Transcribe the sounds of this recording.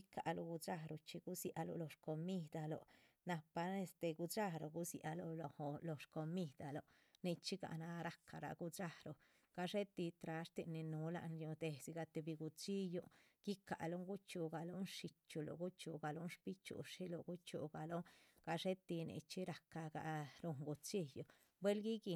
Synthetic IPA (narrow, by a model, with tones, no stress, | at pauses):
i˦ka̰˨lo˧ɡu˧t͡ʃa˦ɾo˨t͡ʃi˧ɡu˦sja˧lo̰˧lo˧ʂko˧mi˦d̪a˧lo̰˨ | na˧pa˧e˧st̪e˧ɡu˧t͡ʃa˦ɾo˨˧ɡu˦sja̰˧lo˧lo˧ho˧lo˧ʂko˧mi˦d̪a˨lo˨ | ni˧t͡ʃi˦ɡa̰˧na˧ɾa˨ka˧ɾa̰˨ɡu˧t͡ʃa˦hɾo˨ | ɡ̥a˧ʂe˦t̪i˧t̪ɾa˧ʂt̪i˧ni˧nu˧˦la̰˧nju˧d̪e˧si˧ɡa˧t̪e˧bi˧ɡu˧t͡ʃi˦jo˧ɡ̥i˦ka̰˨lo˦ŋɡu˦t͡ʃu˧ɡa˨lo˦nʂi˧t͡ʃu˧lo̰˨ɡu˦t͡ʃṵ˧ɡa˨lo˦nʃpi˦t͡ʃṵ˨ʂi˦lo˧ɡu˦t͡ʃṵ˧˨ɡa˨lo˦ɡ̥a˧ʂe˦t̪i˧nḭ˧t͡ʃi˦ɾa˨ka˧ɡa̰˨ɾu˧ŋɡu˧t͡ʃi˦jo˨ | bwe˦lɡi˦ɡi˧